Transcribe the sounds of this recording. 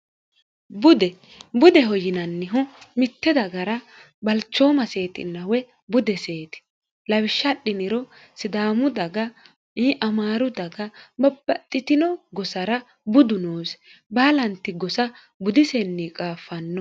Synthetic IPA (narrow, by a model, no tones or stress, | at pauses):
bʊd̪ɛ | bʊd̪ɛɦɔjɪnɐnːɪɦʊmɪt̪ːɛd̪ɐɡɐɾɐ | bɐlt͡ʃːo̞ːmɐse̞ːt̪ɪ̰nːɐwɛ | bʊd̪ɛseːt̪ɪ̥ | lɐwɪʃːɐɗɪnɪɾɔ | sɪd̪aːmʊd̪ɐɡɐ | iʔɐmaːɾʊd̪ɐɡɐbɐbːɐt̪ʼːɪt̪ɪnɔɡɔsɐɾɐ | bʊd̪ʊnoːsbaːlɐnt̪ːɪɡɔsɐ | bʊd̪ɪsɛnːikʼaːfːɐnːɔ